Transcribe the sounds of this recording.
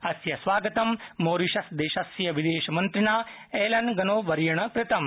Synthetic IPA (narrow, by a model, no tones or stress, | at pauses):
ɐsjɐsʋaːɡɐt̪ɐmːoːɾiʃɐsd̪eːʃɐsjɐʋid̪eːʃɐmɐnt̪ɾɪnaː | eːlɐnɡɐnoːʋɐɾjɐɳ̃ɐkɾɪt̪ɐm